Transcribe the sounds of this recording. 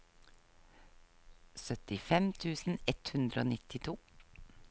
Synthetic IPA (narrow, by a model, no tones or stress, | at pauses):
sœt̪ɪfɛmt̪ʰʉːsn̩ɛt̪hʉnd̪ɾəoːnɪt̪ɪt̪ʰuː